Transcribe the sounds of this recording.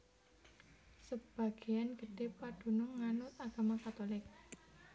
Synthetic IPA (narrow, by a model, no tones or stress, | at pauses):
səb̥a̤ɡ̥ejanɡ̥ə̤ɖ̥epad̪̥ṳnʊŋːanʊt̪aɡ̥a̤makat̪olɪk̚